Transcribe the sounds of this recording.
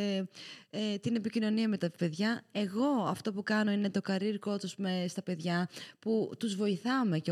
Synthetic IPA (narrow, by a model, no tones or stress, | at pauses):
et̪ine̞picino̞niɐmet̪ɐpe̞ðʝɐe̞ɣo̞ɐft̪o̞pukɐno̞ine̞t̪o̞kɐɾiɾko̞t̪uzmest̪ɐpe̞ðʝɐput̪uzvo̞iθɐme̞ce